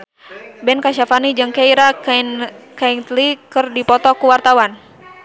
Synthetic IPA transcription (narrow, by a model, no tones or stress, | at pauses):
bɛnkaʃafanid͡ʒɨŋkaiɾa | kaŋt̪likɨrdipɔt̪ɔkuwart̪awan